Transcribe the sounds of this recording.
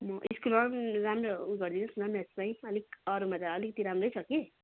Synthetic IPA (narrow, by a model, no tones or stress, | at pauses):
mʌʔiskulʌɾɾamɾʌuɡʌɾd̪inusunamɛspãĩʌlikʌɾumat̪aʌlikʌt̪iɾamrʌjt͡sʰʌki